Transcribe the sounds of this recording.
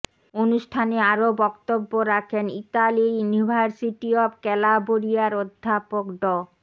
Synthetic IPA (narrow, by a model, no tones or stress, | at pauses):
onuʃʈʰaneaɾobɔkt̪obːoɾakʰeniʈaliɾjunibʱaɾsiʈiɔbkɛlaboɾijaɾod̪ʱːapokɖɔ